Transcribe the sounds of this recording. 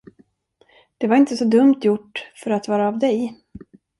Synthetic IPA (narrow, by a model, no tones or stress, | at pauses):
d̪̥ɛvaɾɪnt̪əsɔd̪ɵmt̪ʰjʊʈːfœɾat̪vɑːɾaːvd̪ɛj